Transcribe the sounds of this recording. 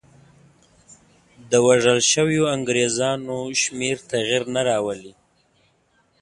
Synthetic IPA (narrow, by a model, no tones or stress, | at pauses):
d̪əwaʐəlʃəwjoaŋɡɾezɑnoʃmeɾt̪aɣiɾnaɾɑwəli